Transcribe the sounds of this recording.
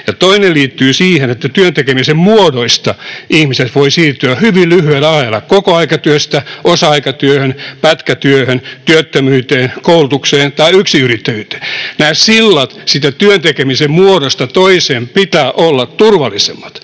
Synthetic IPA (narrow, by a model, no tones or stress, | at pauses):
jɑt̪oinelliːt̪ːyːsiːhenet̪ːæt̪yønt̪ekemisemmuodoist̪ɑʔihmiset̪ʋoisiːrt̪yæhyʋillyhyælɑelɑkokoɑikɑt̪yøst̪æʔosɑɑikɑt̪yøhønpæt̪kæt̪yøhønt̪yøt̪ːømyːt̪eːnkoulut̪ukseːnt̪ɑiyksiyrit̪ːæjyːt̪e̥ːnæːsilːɑt̪sit̪æt̪yønt̪ekemisemmuoɾost̪ɑt̪oiseːmpit̪æːʔolːɑt̪t̪urʋɑlːˑisḛmːɑt̪